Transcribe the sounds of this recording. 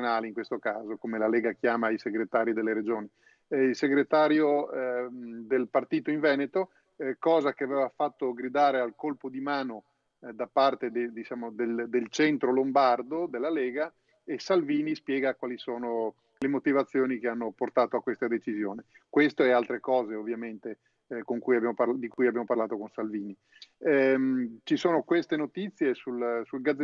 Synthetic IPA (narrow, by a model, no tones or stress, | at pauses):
naːleiŋkwest̪okaːzokomelaleɛːɡakjaːmaiseɡɾet̪aːɾid̪elːeɾed͡ʒoːni | ilseɡɾet̪aːɾjo | d̪elpart̪iːt̪oiɱvɛːnet̪o | kɔːzakeavɛːvafat̪ːoɡɾid̪aːɾealkolpod̪imaːno | d̪apart̪ed̪ed̪it͡ʃaːmod̪eld̪elt͡ʃɛnt̪ɾolombard̪od̪elːaleːɡa | esalviːnispjɛːɡakwaːlisoːno | lemot̪ivat̪sːjoːnikeanːoport̪aːt̪oakːwest̪ad̪et͡ʃizjoːne | kwest̪oɛalt̪ɾekɔːzeovːjament̪e | koŋkujabjamopad̪ikujabjaːmoparlaːt̪okonsalviːni | mt͡ʃisoːnokwest̪enot̪it̪sːjesulsulɡad̪ze